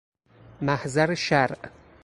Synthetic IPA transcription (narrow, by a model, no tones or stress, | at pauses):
mæhzæɾʃæɾʔ